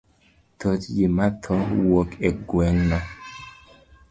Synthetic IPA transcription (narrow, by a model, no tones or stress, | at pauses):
totjemat̪ʰɔwokɛɡwɛŋnɔ